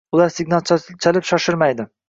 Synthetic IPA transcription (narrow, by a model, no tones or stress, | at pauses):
ʊlˠaɾsɪɡnalˠt͡ʃt͡ʃʰalɪpʃɒʃɪɾmajd̪ɪ